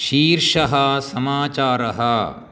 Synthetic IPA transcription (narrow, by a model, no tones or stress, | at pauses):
ʃiːɾʃɐɦɐsɐmaːt͡ʃaːɾɐɦɐ